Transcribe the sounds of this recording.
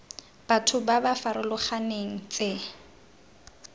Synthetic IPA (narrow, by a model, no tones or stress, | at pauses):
b̥atʰʊbabafaɾʊlʊχaneŋ̩t͡sʼe